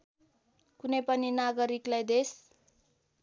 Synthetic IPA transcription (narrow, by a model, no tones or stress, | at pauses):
kunʌjpʌninaɡʌɾiklajd̪es